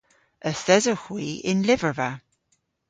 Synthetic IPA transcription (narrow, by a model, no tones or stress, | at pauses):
əθɛzəhwiːʔɪ̃nlɪvəva